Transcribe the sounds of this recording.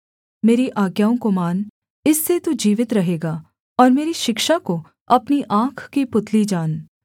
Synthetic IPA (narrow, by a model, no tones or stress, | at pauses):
meːɾiʔaːɡjaːõkomaːn | ɪsːet̪ud͡ʒiːʋɪt̪ɾɐɦeːɡaː | ɔːɾmeːɾiʃɪkʃako | ɐpniʔãːkʰkipʊt̪ʰlid͡ʒaːn